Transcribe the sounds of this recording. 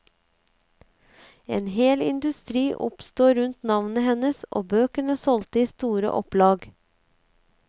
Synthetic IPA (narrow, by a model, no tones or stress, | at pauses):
eːnheːlɪ̰nd̪ʉst̪ɾiːʔʊpst̪oːɾʉnt̪nɑʋnəhɛnəsʔo̰ːbøːkəɳəsɔlt̪əiːst̪uːɾə̰ʔɔplɑːɡ